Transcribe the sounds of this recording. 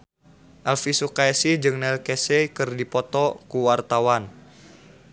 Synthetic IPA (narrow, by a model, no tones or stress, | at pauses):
ʔalfisukaɛsid͡ʒɨŋnɛlkɛsɛkɨrdipɔt̪ɔkuwart̪awan